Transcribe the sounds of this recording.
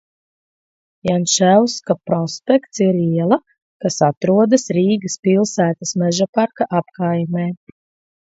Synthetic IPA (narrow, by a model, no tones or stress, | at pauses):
janʃæwskapɾɔspʲɛkt̪siɾiɛlˠɐ | kasat̪ɾuɔd̪ɐsɾiːɡɐspilˠsæːt̪asmɛʒapaɾkaʔapkajmɛː